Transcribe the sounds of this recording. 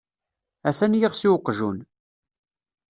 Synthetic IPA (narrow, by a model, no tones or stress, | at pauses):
æθænjiʁsiwəqːʒun